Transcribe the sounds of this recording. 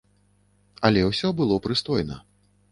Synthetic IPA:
ɐlʲɛwsʲɔbɨlˠɔpɾɨst̪ɔjnɐ

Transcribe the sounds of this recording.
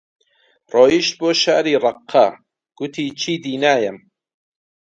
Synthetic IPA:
roːjiʃt̪̚boːʃaːɾiːrˤɑqʰːɐ | ɡ̥ʊt̪ʰiːt͡ʃʰiːd̪iːnaːjɐm

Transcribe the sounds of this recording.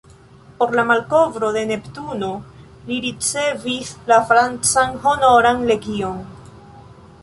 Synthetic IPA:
po̞ɾlamalko̞vɾo̞de̞ne̞ptuno̞ | liɾit͡se̞vislafɾant͡sanɦo̞no̞ɾanle̞ɡio̞n

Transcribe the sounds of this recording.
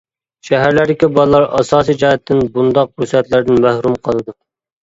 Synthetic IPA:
ʃæɦæɾlæɾd̪ɪkʲibɑlˠlːˠɑɾɑsɑːsijd͡ʒɑɦɛt̪ʰːɪnbund̪ɑq̚busɛt̪læɾd̪ɪnmæhɾumqʰəlˠɨd̪u

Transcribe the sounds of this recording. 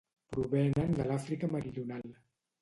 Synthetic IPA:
pɾuβɛnənd̪əlafɾikəməɾiʎunalˠ

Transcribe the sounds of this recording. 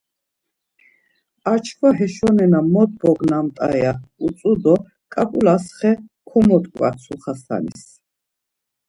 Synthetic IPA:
at͡ʃʰkʰvaɦɛʃɔnɛnamɔt̪̚bɔɡnamt̪ʼa̰ɛausʼud̪ɔ | kʼapʼulasχɛkʰɔmɔt̪ʼkʼwa̰sʰuχasa̰nḭs

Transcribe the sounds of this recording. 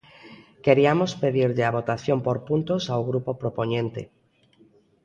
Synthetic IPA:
keɾiamospeðiɾʎɪaβ̞ot̪aθjompoɾpunt̪osawɣɾupopɾopoɲẽnt̪ḛ

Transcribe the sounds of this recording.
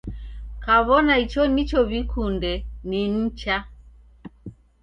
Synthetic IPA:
kaβɔnait͡ʃɔnit͡ʃɔβikʰundɛnin̩t͡ʃa

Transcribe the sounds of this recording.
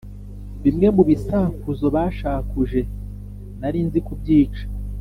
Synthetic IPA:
bimŋe̞muβisakuzo̞βaːʃaːkuʒe̞ | naɾinzikub̚ɟiːt͡ʃḁ

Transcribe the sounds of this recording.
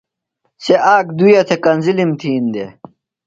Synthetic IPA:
seʔaːkd̪ujɐt̪ʰekɐnzilimt̪ʰiːnd̪e

